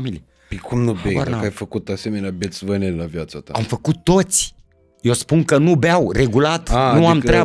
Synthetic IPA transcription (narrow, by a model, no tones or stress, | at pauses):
mil | pikʰumnubeaɾnakajfəkut̪asemenʲabet͡sivənellavjat͡sat̪aamfakut̪ot͡si̥ | ewspunkənubeawreɡulat̪auamiɾja